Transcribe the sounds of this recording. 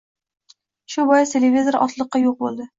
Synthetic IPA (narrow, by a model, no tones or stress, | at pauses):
ʃʊbɒjɪst̪ʰelʲevʲizoɾʔɒ̰t̪lˠɨqːɑjoq̚bolˠd̪ɪ